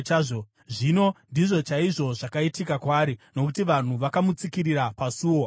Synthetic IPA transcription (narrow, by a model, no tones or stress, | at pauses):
ʐo | ʐino̞ndiʐo̞t͡ʃaiʐo̞ʐakaitikakwaːɾino̞kutiʋan̤uʋakamut͡sikiriɾapasuːwo